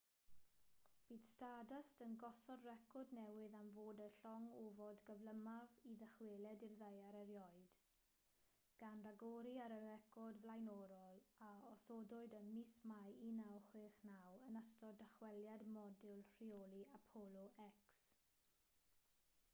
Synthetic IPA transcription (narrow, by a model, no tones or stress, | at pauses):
b̥iːð̥stadastənɡɔsɔdrɛkʰɔdnɛwɪðamvoːdəɬɔŋovɔdɡəvləmavidəχweːlˠɛdirðajaɾɛɾjɔɨd̥ | ɡ̥anraɡɔɾiaɾərɛkʰɔdvlajnɔɾɔlˠaɔsɔdʊɨdənmismajinawχwɪːχnawənastɔdəχwɛljadmɔdɪlˠr̥ioliapʰɔlˠɔʔɛks